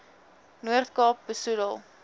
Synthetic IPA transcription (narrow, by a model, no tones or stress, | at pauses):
nuərtkɑːp̚bəsudəlˠ